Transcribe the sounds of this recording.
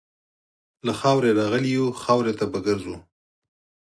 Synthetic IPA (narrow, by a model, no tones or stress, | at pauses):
laxɑwɾeɾɑɣəlijuxɑwɾet̪abaɡəɾzu